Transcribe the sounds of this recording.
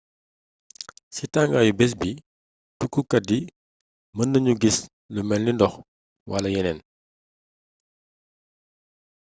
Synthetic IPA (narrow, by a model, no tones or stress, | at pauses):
sitaŋɡajubɛs̬bi | tukːukɐdi | məndəɲuɡis | ləmɛlnindɔx | wɐlɐjɛnɛn